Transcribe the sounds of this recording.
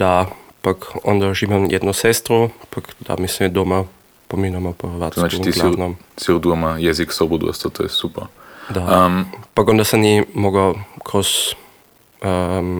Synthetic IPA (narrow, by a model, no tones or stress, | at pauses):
d̪apakɔ̰nd̪aʒimamjʔɛ̰d̪nɔsɛst̪ɾɔpakd̪a̰mismɛd̪oma | pominamɔpɔɛɾʋat̪nat͡ʃit̪iɡlanɔmsiɾd̪uamajɛziksobud̪ṵɛ̰st̪ɔt̪ojɛsupɛɾd̪aəmpakond̪asɐmnimoɡawkʰɾɔs | əm